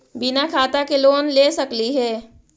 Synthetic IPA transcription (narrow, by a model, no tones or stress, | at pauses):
bɪnakʰaːt̪akeloːnleːsɐkliɦɛː